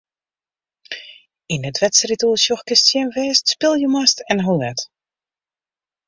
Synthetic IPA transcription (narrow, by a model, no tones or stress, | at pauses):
inətʋɛtsəritulˠsjɔxkɪstjɛnʋɛːstspɪlˠjəmastɛnɦolɛt